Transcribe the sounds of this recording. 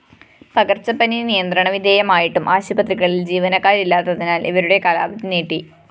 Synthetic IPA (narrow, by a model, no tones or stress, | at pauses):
pɐɡɐrt͡ɕːɐpːɐninijɐnd̪rɐɳɐʋid̪ʱeːjɐmaːjiʈːumʔaːɕɐbɐt̪riɣɐɭild͡ʑiːʋɐnɐkːaːɾilːaːt̪ːɐðinaːlʔiʋɐɾuɽe̞kɐlaːbɐt̪ːineːʈːi